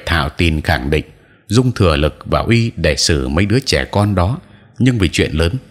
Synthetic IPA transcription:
t̪ʰa̰ː˧˨wt̪i˨˩nxa˧˩ŋɗḭ̈˧˨ŋ̟ | zʊ˧ŋ͡mt̪ʰɨ˨˧˩əlɨ˨˩k̚va̰ː˨˩ʔi˧ɗe˧˩sɨ˧˩mə˨˦jɗɨ˨˦ət͡ɕɛ˧˩kɔ˧nɗɔ˨˦ | ɲɨ˧ŋvi˨˩t͡ɕwḭ˧˨ənləː˨˦n

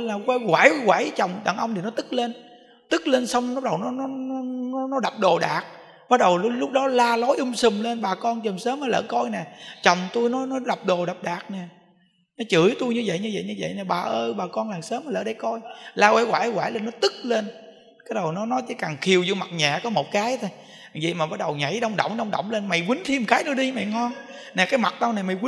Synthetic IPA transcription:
laː˨˩ɣwa˧˦ɣwaː˧˩˦jɣwaː˧˩jt͡ɕə˨˩wŋ͡mɗa̰˧˨˩ŋʔə˧wŋ͡mt̪i˨˩nɔ˨˦t̪ɨ˦˥k̚le˧n | t̪ɨ˦˥k̚le˧nsə˧wŋ͡mnɔ˨˦˥ɗə˨˩wnɔ˨˦nɔ˨˦n˨˦nɔ˨˦nɔ˨˦ɗa˨˩p̚ɗo˨˩ɗaː˨˩k̚ | ɓaː˦˥t̚ɗə˨˩wllʊ˦˥k͡p̚ɗɔ˨˦laː˧lɔ˨˦jʔɨ˧ŋ͡msɨ˨˩mle˧nɓaː˨˩kɔ˧nt͡ɕə˨˩msəː˨˦maː˧˨˦lə̰ː˧˨˦kɔ˧jnɛ˨˩t͡ɕə˨˩wŋ͡mt̪u˧jnɔ˨˦nɔ˨˦ɗa˨˩p̚ɗo˨˩ɗa˨˩p̚ɗaː˨˩k̚nɛ˨˩ | nɔ˨˦t͡ɕɨ˨˧˩əjt̪u˧jɲɨ˧zə̰˧˨jɲɨ˧və̰˧˨jɲɨ˧və̰˧˨jnɛː˨˩ɓaː˨˩ʔəː˧ɓaː˨˩kɔ˧nlaː˨˩ŋsəː˨˦mːa˨˩lə̰ː˧˩˦ɗa˧˩jkɔ˧jlaː˧wɛ̰˧˦ɣwaː˧˩˦wa̰ː˧˩˦le˧˩nːɔ˨˦t̪ɨ˦˥k̚le˧n | kaː˨˦jɗə˨˩wnɔ˨˦nɔ˨˦t͡ɕḭ˧˨˦kaː˨˩ŋxi˨˩əwzɨ̰˧˨ma˨˩t̚ɲaː˨˩kɔ˨˦mo˨˩t̚kaː˨˦jt̪ʰo˧j | zḭ˧˨jmaː˨˩ɓa˦˥t̚ɗə˨˩wɲa˨˧˩jɗə˧wŋ͡mɗə̰˧˩˨wŋ͡mɗə˧wŋ͡mɗə̰˧˨wŋ͡mle˧nma˨˩jwï˨˦ŋt̪ʰi˧m˨˩kaː˨˦jnɔ˨˦ɗi˧mɛ̰˧˨ŋɔ˧nnɛː˨˩kaː˨˦jma˨˩t̚ɗa˧wna˨˩jma˨˩jwi˨˦

